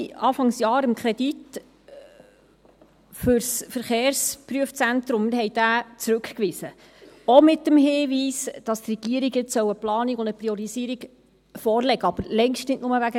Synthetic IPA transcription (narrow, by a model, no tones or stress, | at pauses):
ɑːfɑŋsjɑːɾəmkʰɾɛd̥it | fʏɾsfəɾχeːɾspɾyəft͡sæntɾʊmːɪɾhɛjd̥æːt͡sɾʉkkʋɪzə | omɪtːəmɦɪːʋiːsd̥ɑst̪rɛɡ̥iəɾiɡət͡ssœwəplɑːniɡʊnd̪əpɾiɔɾiziːɾiɡ | fɔːɾlɛɡəɑb̥əɾlɛŋʃtnɪdnʊməʋæɡə